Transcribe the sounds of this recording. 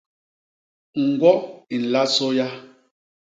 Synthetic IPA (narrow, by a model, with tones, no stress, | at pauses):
ŋ̩˨ɡwɔ˦i˨n̩˨la˦so˦ja˦